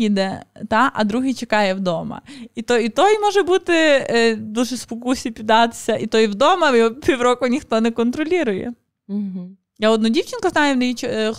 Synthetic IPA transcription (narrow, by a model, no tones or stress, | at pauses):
id̪ɛt̪aʔɐ̰d̪ɾuɦijt͡ʃɪkajɛvd̪omɐ̰it̪oit̪oimɔʐɛbɨt̪ːɪd̪ulʲʒɨspɔkusʲɪpʲɪd̪at̪ɪ̥sʲɐʔit̪oivd̪omɐpʲɪʋɾokʊnʲɪxt̪onɛkɔnt̪ɾɔlʲiɾʊjɛ̰ | jaɔd̪nudʲifʲt͡ʃɪnkɐznajʊnɐjit͡ʃ